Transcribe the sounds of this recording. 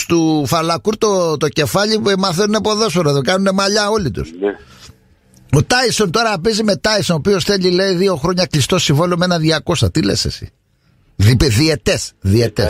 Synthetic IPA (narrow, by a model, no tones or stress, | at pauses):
st̪ufɐlɐkuɾt̪ot̪o̞ce̞fɐʎimɐθenunepo̞ðosfoɾɐt̪okɐnune̞mɐʎɐo̞lit̪ṵs | o̞t̪ɐisont̪o̞ɾɐːpizime̞t̪ɐisonopio̞sθe̞ʎile̞iðio̞xɾo̞ɲɐklist̪o̞sivolomenɐðiɐkost̪ɐt̪ilḛsḛsḭ | ðipeðie̞t̪esðiet̪es